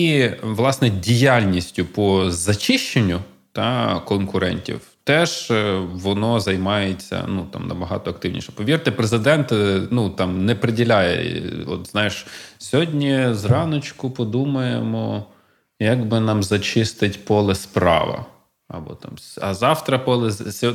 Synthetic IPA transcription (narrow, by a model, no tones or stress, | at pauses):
iʋlˠɑsnɛdʲijalʲnʲisʲtʲʊpɔzɐt͡ʃɪʃt͡ʃenʲːʊ | t̪ɑkɔnkʊɾɛ̰nʲtʲḭwt̪ɛʒ̥ʋɔnɔzɐjmɑjet͡sʲːɐ̰nut̪ɑ̰mnɐ̰bɐɦɑ̰t̪ɔɐkt̪ɪwnʲḭʃɛ̥pɔʋʲirt̪ɪpɾezɪd̪ɛnt̪nut̪ɑmnɛpɾedʲilʲajɛ̰ɔ̰t̪znɑjɪʃsʲɔɦɔdʲnʲizrɑnɔt͡ʃkʊpɔd̪umɐjemɔ | jɐɡbɪnɑmzɐt͡ʃɪst̪ɪtʲpɔlˠɛspɾɑ̰ʋɐ̰ | ɐ̰bɔ̰t̪ɑ̰msɐzɑwt̪ɾɐpɔlˠesʲ